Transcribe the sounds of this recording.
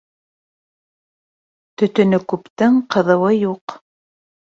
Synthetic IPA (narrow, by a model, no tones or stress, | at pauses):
t̪ɵ̆t̪ɵ̆nɵkʉpt̪ɘŋqɤ̆ðɤ̆wɤjuq